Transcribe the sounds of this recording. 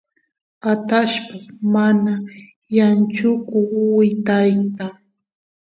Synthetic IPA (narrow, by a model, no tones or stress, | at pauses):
at̪aʃpamana | jant͡ʃʊkʊwɪt̪ajt̪a